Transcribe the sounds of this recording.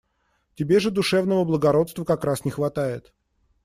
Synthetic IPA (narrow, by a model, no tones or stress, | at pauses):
tʲɪbʲe̞ʐɨd̪ʊʂɛvnəvəblˠəɡɐɾo̞t̪st̪vəkɐkɾasnʲɪxvɐt̪ajɪt̪